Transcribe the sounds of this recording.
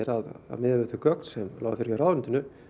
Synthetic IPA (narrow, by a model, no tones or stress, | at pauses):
ɛɾaða̰mɪðaɪθʏkœk̚n̥sɛmla̰wafɪɾɪɾawðvɛnt̪ɪnʏ